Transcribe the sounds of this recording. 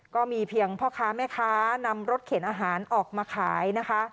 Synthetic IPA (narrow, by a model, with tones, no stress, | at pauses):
kɔː˥˩miː˧pʰi˧əŋpʰɔː˥˩kʰaː˦˥mɛː˥˩kʰaː˦˥na˧mɾo˦˥t̪̚kʰeː˩˦nʔaː˧ɦaː˩˦nʔɔː˨˩k̚maː˧kʰaː˩˦jna˦˥kʰa˦˥